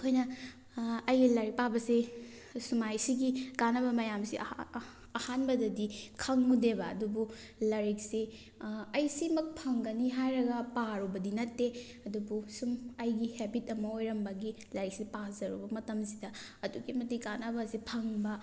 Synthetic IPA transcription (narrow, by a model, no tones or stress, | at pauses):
kʰojnɐ | ɐjɡilɐɾipabɐsi | sumajsiɡikanɐbɐmɐjamsiʔː | hanbɐdɐdikʰɐŋudebɐːdubu | lɐɾik̚si | ɐjsimɐk̚pʰɐŋɡɐniɦajɾɐɡɐpaɾubɐdinɐtːe | ɐdubusumɐjɡihebitɐmɐojɾɐmbɐɡi | lɐɾik̚sipazɐɾṵbɐmɐtɐmsidɐ | ɐduɡimɐtikanɐbɐsipʰɐŋbɐ